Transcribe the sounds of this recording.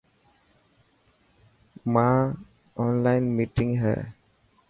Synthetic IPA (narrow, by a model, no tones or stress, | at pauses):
mãː | ɔːnlaɪnmiʈɪ̃ŋɦɛ̰ː